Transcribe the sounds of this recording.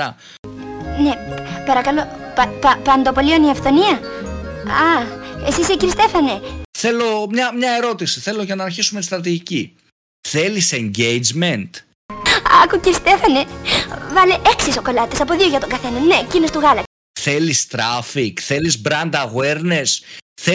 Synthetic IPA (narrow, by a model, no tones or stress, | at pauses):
ɐ | nepɐɾɐkɐlo̞pɐpɐpɐnd̪opo̞lioniɐfθo̞niɐ | ɐesiseciɾist̪e̞fɐneθe̞lo̞mɲɐmɲɐe̞ɾo̞t̪isi̥θe̞lo̞ʝɐnɐːɾçisume̞t̪ist̪ɾɐt̪̬iʝici | θe̞lise̞ɲɟejd͡ʒme̞nt̪ | ɐkuciɾist̪e̞fɐnevɐleʔeksiso̞ko̞lɐt̪isɐpoðio̞ʝɐt̪oŋɡɐθe̞nɐnnecino̞st̪uɣɐlɐ | θe̞list̪ɾɐfikθe̞lizbɾɐnd̪ɐɣwe̞ɾnesθe